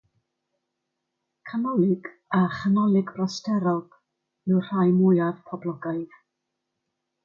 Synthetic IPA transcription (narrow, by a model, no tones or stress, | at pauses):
kʰanɔlɪɡ | aχənɔlɪɡrɔstʰɛɾɔɡ̥ | mɪwr̥ajmʊjaðpʰɔblɔɡajð